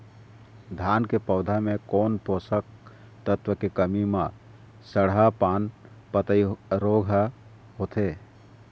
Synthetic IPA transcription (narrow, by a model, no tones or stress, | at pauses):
d̪ʱankepəʊd̪ʱamekonposək̚ | t̪ət̪wəkekəmimã | səɽɦapan | pət̪əiɾoɡʱ | ɦot̪ʰe